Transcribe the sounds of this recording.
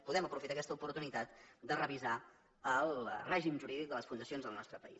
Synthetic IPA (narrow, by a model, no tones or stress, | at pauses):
puðɛməpɾufit̪akɛst̪əupuɾt̪unit̪at̪d̪ərəβ̞iza | əlˠrɛʒimʒuɾiðik̚d̪ələsfund̪əsionzðəlˠnɔst̪ɾəpəḭs